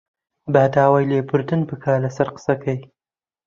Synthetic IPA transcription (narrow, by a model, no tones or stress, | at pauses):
baːd̪ɑːwajlepʊɾd̪ɨnpəkʰɑːlasaɾqə̥sakaj